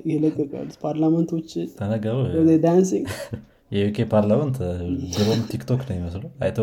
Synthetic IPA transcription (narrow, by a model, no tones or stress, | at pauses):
jɪləkʼːɨkʼa̰lːut̪pʰaɾlamənt̪ʰo̞t͡ʃːɪt̪ʰənəɡaɾuwəd̪ed̪ansiŋɡ | jɛjukʰepʰaɾlamənt̪d͡ʒiɾomt̪ʰikt̪ʰoknəwjɪməslua̰jt̪ʰə